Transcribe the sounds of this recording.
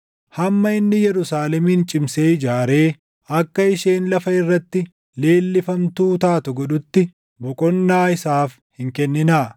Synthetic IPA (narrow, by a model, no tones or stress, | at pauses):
hɐmːɐɪnːɪjɛɾʊsaːlɛmiːnt͡ʃʼɪmseːɪd͡ʒaːɾe̞ː | ɐkːɐɪʃe̞ːnlɐfɐɪrːɐt̪ːɪ | le̞ːlːɪfɐmt̪uːt̪aːt̪ʊɡɔᶑʊt̪ːɪ | bɔkʼɔnːaːɪsaːf | hɪŋkɛnːɪnaː